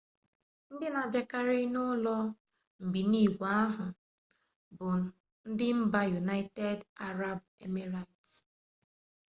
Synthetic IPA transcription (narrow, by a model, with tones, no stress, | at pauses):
n̩˦dɪ˦na˨ba˨ka˦ɾɪ˦nʊ˦lɔ˦ | m̩˨bi˨ni˦˨ɡʷa˨˦a˦ɦʊ˨ | bʊ˨ | n̩˦dɪ˦m̩˦ba˦ju˨na˦ɪ˦te˦da˦ɾa˦b̚ | ḛ˦me˦ɾa˨i˨t